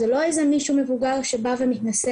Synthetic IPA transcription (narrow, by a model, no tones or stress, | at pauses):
zelo̞ezemiʃume̞vuɡaʁʃebavemit̪nase